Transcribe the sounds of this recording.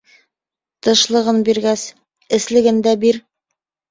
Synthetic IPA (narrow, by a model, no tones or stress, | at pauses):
t̪ɤ̆ʃlˠɤ̆ʁɤnbiɾɡæs | ɘ̆slɘ̆ɡɘ̆nd̪æbiɾ